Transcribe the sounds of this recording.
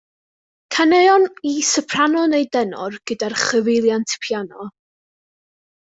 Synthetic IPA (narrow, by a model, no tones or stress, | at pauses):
kʰaneɔnisəpʰr̥anɔnejdɛnɔ̰rɡ̥ədarχəvɪlˠjantʰɪ̥pʰjanɔ